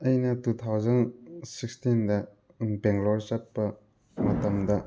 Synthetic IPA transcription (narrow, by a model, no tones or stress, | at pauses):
ɐjnɐtut̪ʰawd͡ʒɐnsikstindɐ | beŋɡlɔɾzɐt̚pːɐ | mɐtɐmdɐ